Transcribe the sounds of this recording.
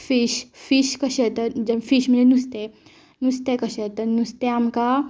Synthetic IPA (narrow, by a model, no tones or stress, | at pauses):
fiɕfiɕkəɕet̪əd͡ʑəfiɕm̤ənd͡zenust̪e | nust̪ekəɕet̪ənust̪eamka